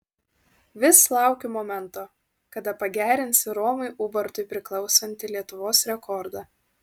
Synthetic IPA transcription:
ʋʲɪslˠɑˑʊkʲemɔmʲɛnt̪oː | kɐd̪ɐpɐɡʲæːɾʲɪnʲsʲɪɾɔːmɐɪʔʊːbɐɾt̪ʊɪpʲɾʲɪklˠɒʊsɐnʲt̪ʲɪlʲiɛt̪ʊʋoːsɾʲɛkʰɔɾd̪ɑ

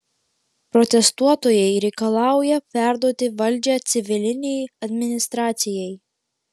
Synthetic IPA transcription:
pɾɔt̪ʲɛst̪uɔt̪ojɛɪɾʲɛɪkɐlˠɑˑʊjɛpʲæˑɾd̪uɔt̪ʲɪʋɐlʲˑd͡ʒʲɛt̪sʲɪʋʲɪlʲɪnʲɛjɐd̪ʲmʲɪnʲɪst̪ɾɑːt̪sʲɪjɛj

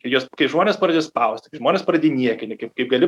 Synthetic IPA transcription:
kɐɪjuɔskɐɪʒmoːnʲeːspɐrɐd̪ʲeːspɐʊsʲt̪ʲkɐɪʒmoːnʲeːspɾɐdʲeːjnʲiɛkʲɪnʲɪkɐɪpkɐɪpɡɐlʲɪ

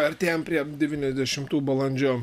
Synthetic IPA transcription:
ɐɾʲt̪ʲeːjɛmpʲɾʲiɛd̪ʲɛʋʲiːnʲɛzʲd̪ʲɛʃʲɪmt̪uːbɐlˠɐnʲd͡ʒʲoː

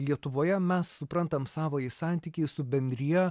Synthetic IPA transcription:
lʲiɛt̪ʊʋoːjɛmʲɛsːʊpɾɐnt̪ɐmsɑːʋoːisɑːˑnʲt̪ʲiːkʲɛɪsʊbʲɛnʲd̪ʲɾʲɪjɛ

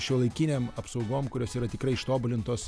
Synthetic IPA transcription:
ʃʲuɔlˠɐɪkʲinʲeːmɐpsɐʊɡoːmkʊɾʲoːsiːɾɐt̪ʲɪkɾɐɪɪʃt̪oːbʊlʲɪnt̪oːs

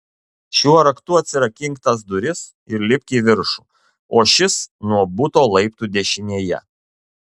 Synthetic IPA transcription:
ʃʲuɔɾɐkt̪uɐt̪ʲsʲɪɾɐkʲɪŋkt̪ɐs̬d̪ʊɾʲɪs | ɪɾlʲɪpʲkʲiːʋʲɪɾʃu | oːʃʲɪsnuɔbʊt̪oːlˠɐɪp̚t̪uːd̪ʲɛʃʲɪnʲiɛjɛ̰

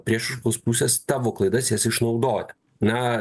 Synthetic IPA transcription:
pʲɾʲiɛʃɐkoːspusʲest̪ɑːʋoːklˠɐɪd̪ɐsjɛsɪʃnɒʊd̪oːjɛ | nɐ

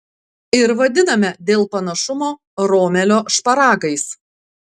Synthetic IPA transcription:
ɪɾʋɐd̪ʲɪnɐmʲɛd̪ʲeːlˠpɐnɐʃʊmoː | ɾoːmʲɛlʲoːʃpɐɾɑːɡɐɪs

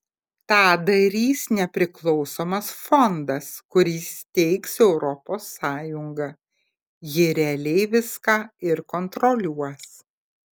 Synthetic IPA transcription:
t̪ɑːd̪ɐɾʲiːsnʲɛpʲɾʲɪklˠɒʊsoːmɐsfɔnd̪ɐskʊɾʲiːst̪ʲɛɪksɛʊɾɔpoːsːɑːjʊŋɡɐ | jɪɾʲɛlʲɛɪʋʲɪskɑːɪɾkɔnt̪ɾɔlʲuɔs

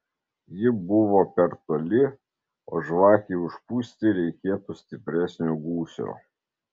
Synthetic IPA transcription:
jɪbʊʋoːpʲɛɾt̪oːlʲɪ | o̰ːʒʋɑːxʲiːʊʃpuːsʲt̪ʲɪɾʲɛɪkʲeːt̪uːsʲt̪ʲɪpʲɾʲæsʲnʲoːɡuːsʲo̰ː

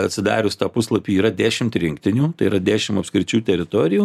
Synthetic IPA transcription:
ɐt̪ʲsʲɪd̪ɑ̰ːɾʲʊst̪ɑːpʊslˠɐpʲiːiːɾɐd̪ʲæːʃʲɪmt̪ɾʲɪŋkt̪ʲɪnʲuːt̪ɐɪiːɾɐd̪ʲæːʃʲɪmɐpskɾʲɪt͡ʃʲuːt̪ʲɛɾʲɪt̪oːɾʲɪjuː

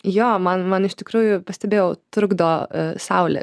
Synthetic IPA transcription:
joːmɐnmɐnɪʃt̪ʲɪkɾuːjʊpɐsʲt̪ʲɛbʲeːjɛʊt̪ɾʊɡd̪oːsɐʊlʲɛ̰

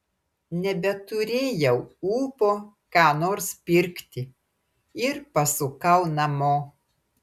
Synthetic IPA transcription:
nʲɛbʲɛt̪ʊɾʲeːjɛʊuːpoː | kɑːnoːɾspʲɪɾʲkt̪ʲɪ | ɪɾpɐsʊkɐʊnɐmoː

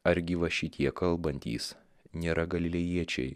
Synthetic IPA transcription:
ɐɾʲɡʲɪʋɐʃʲɪt̪ʲiɛkːɐlˠbɐnʲt̪ʲḭːs | nʲeːɾɐɡɐlʲɪlʲɛjiɛt͡ʃʲɛ̰ɪ

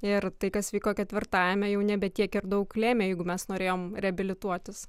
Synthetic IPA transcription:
ɪɾt̪ɐɪkɐsʋʲiːkoːkʲɛt̪ʲʋʲɪɾt̪ɑːjɛmʲɛjɛʊnʲɛbʲɛt̪ʲiɛkɪɾd̪ɐʊklʲeːmʲeːjɛɪɡʊmʲɛsnoːɾʲeːjoːmɾʲɛɐbʲɪlʲɪt̪uɔt̪ʲɪs

